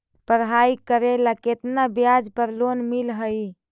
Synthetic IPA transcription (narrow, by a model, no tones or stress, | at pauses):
pəɾɦaikəɾelaket̪nabjad͡ʒpəɾlonmilɦəj